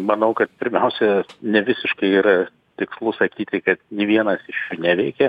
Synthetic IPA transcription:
mɐnɐʊkɐt̪̚pʲɪɾʲmʲɛʊsʲɛnʲɛʋʲɪsʲɪʃkɐɪiːɾɐ | t̪ʲɪkslˠʊsɐkʲiːt̪ʲɪkɐt̪nʲiːʋʲiɛnɐsɪʃjuːnʲɛʋʲɛɪkʲɛ

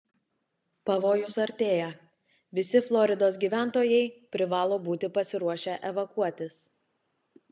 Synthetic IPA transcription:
pɐʋoːjʊsɐɾʲt̪ʲeːjɛ | ʋʲɪsʲɪflˠɔɾʲɪd̪oːs̬ɡʲiːʋʲæˑnt̪oːjɛɪpʲɾʲɪʋɑːlˠoːbuːt̪ʲɪpɐsʲɪɾuɔʃʲɛʔɛʋɐkuɔt̪ʲɪs

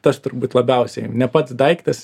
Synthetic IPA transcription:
t̪ɐst̪ʊɾbuːt̪lˠɐbʲɛʊsʲɛɪnʲɛpɐt̪sd̪ɐɪkt̪ɐs

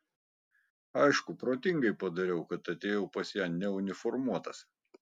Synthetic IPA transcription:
ɐɪʃkʊpɾoːt̪ʲɪŋɡɐɪpɐd̪ɐɾʲɛʊkɐt̪ɐt̪ʲeːjɛʊpɐsjænnʲɛʊnʲɪfɔɾmuɔt̪ɐs

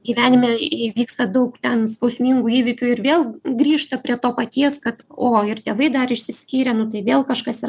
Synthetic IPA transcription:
ɡʲiːʋʲæːnʲɪmʲeɛʋʲiːkst̪ɐd̪ɐʊkt̪ʲɛnskɐʊsʲmʲiŋɡuːiːʋʲɪkʲuɪɾʋʲeːlˠɡɾʲiːʃt̪ɐpʲɾʲiɛt̪oːpɐt̪ʲiɛskɐt̪oːɪrt̪ʲeːʋɐɪd̪ɐrɪʃʲsʲɪsʲkʲiːɾʲɛnʊt̪ɐɪʋʲeːlˠkɐʃkɐsiɐ

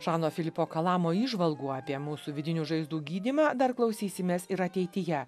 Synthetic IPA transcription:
ʒɑːnoːfʲɪlʲɪpoːkɐlˠɑːmoːiːʒʋɐlˠɡuːɑːpʲiɛmuːsuːʋʲɪd̪ʲɪnʲuːʒɐɪzd̪uːɡʲiːd̪ʲimɑːd̪ɐɾklˠɐʊsʲiːsʲɪmʲeːsɪɾɐt̪ʲɛɪt̪ʲɪjɛ

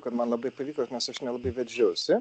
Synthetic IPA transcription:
kɐt̪mɐnlˠɐbɐɪpɐʋʲiːkonʲɛsɐʃnʲɛlˠɐbɐɪʋʲɛd͡ʒʲoʊsʲʊ

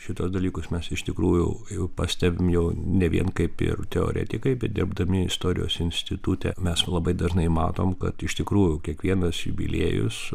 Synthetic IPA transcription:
ʃʲɪt̪oːsd̪ɐlʲiːkʊsmʲɛsɪʃt̪ʲɪkɾuːjʊ̰pɑsʲt̪ʲæbʲɪmjɛʊnʲɛʋʲḭɛnkɐɪpɪ̰rt̪ʲɛo̰ːɾʲɛ̰t̪ʲɪkɐɪpɪd̪ʲɪɾbd̪ɐmʲɪɪst̪oːɾʲɪ̰jo̰ːsɪnʲsʲt̪ʲɪt̪ut̪ʲɛ̰mʲɛslˠɐbɐɪd̪ɐʒnɐɪmɑ̰ːt̪oːmkɐt̪ɪʃt̪ʲɪkɾuːjʊkʲiɛkʋʲiɛnɐsjʊ̰bʲɪ̰lʲḛːjʊ̰s

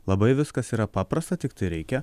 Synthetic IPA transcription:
lˠɐbɐɪʋʲɪskɐsiːɾɐpɑːpɾɐst̪ɐt̪ʲɪk̚t̪ɐɪɾʲɛɪkʲɛ

